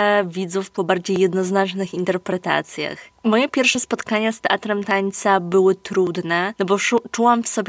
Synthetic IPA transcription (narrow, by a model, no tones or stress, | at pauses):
vʲid̪zufpɔbaɾd͡ʑejːɛd̪nɔznat͡ʂnɘxint̪ɛɾpɾɛt̪a̰t̪sʲja̰xmɔjɛpʲjɛɾfʂɛspɔt̪kaɲast̪ɛʔat̪ɾɛmt̪aɲt̪sabɘwɘt̪ɾud̪nɛnɔbɔt͡ʂuwamfsɔbʲ